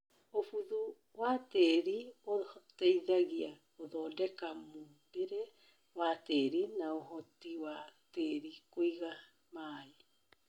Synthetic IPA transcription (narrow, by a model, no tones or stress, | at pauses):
ofuðu | wateɾiotejðaɣia | oðodekamu | beɾe | wateɾinaoɦotiwateɾikojɣa | maːi